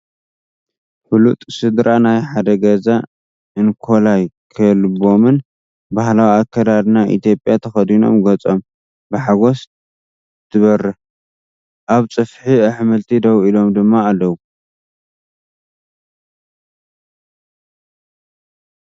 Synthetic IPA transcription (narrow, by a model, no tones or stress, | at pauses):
ħulut̪ʼsɨd̪ɾanajħad̪ɐɡɐza | ɨnkʰo̞lajkʰɐlbo̞mɨn | bahlawiakʰːɐd̪ad̪naʔḭt̪ʰjo̞pʼjat̪ʰɐxɐd̪ino̞̰mɡɐt͡sʼo̞m | bɨħaɡo̞s | t̪ʰɨβɐrːɨ | ʔaβt͡sʼɨfħiaħmɨlt̪ʰid̪ɐwilo̞md̪ɨmːaːlːɐwu